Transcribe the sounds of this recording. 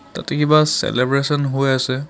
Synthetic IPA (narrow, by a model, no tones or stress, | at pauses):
ta̰tɛkibasɛ̰lebɹesɔnɦojasɛ